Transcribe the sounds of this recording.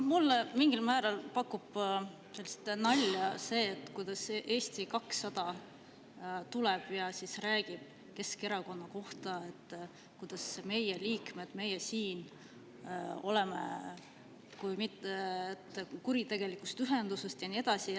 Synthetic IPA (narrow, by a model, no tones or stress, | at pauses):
mulːmiŋɡ̥ilmæːɾɑlpɑkːub̥ | se̞lːist̪nɑlʲːɑse̞ːt̪ːˑkujd̪̥ɑsʔe̞ːst̪ikɑksːɑd̪̥ɑ | t̪ulɛb̥jɑsisræːɡ̥ib̥̚ | ke̞skeɾɑko̞nːɑko̞ht̪ɑe̞t̪ː | kujd̪̥ɑsme̞jeliːkme̞d̪̥me̞jesiːn | o̞̰le̞mḛ | kujmit̪ːeːt̪ːkuɾit̪e̞ɡ̥e̞likˑust̪yɦe̞nd̪̥use̞st̪jɑnie̞d̪̥ɑsi